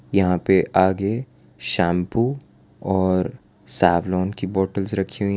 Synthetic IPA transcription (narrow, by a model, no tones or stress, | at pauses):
jɐɦãpeʔaːɡe | ʃɛ̃ːmpu | ɔːɾ | saːʋlɔːnkibɔːʈəlzɾɐkʰiɦũ